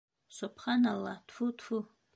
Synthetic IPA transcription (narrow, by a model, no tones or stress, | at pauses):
sɔpʰχanalat̪ʰfut̪ʰfu